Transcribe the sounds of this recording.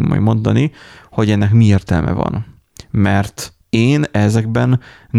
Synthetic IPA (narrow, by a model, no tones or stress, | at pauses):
mo̰jmo̞nd̪ɒniho̞ɟɛnːɛkmieːrt̪ɛ̰lmʔɛ̰vɒ̰n | mɛrt̪ | eːnɛzɛɡ̚bɛnː